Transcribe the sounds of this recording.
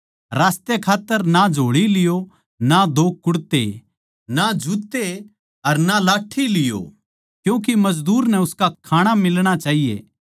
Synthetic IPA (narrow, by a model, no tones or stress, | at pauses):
ɾaːst̪ekʰaːt̪ːəɾnad͡ʒʱoːɽilɪjo | nad̪ʱoːkːʊɽt̪e | nad͡ʒʱut̪e | ɐɾnalaːʈʰːilɪjo̰ | kjũːk̬imɐd͡ʒd̪uːɾnɛ̃ʊskakʰaːɽ̃amɪlɽ̃at͡ʃaːɦijḛː